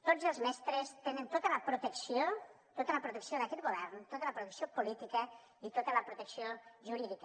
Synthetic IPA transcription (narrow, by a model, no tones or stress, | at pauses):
t̪od͡zəlˠzmɛst̪ɾəst̪enənt̪ot̪ələpɾut̪əksio | t̪ot̪ələpɾut̪əksioðɐkɛt̪̚ɡuβɛɾnt̪ot̪ələpɾut̪əksiopulit̪ikə | it̪ot̪ələpɾut̪əksioʒuɾiðik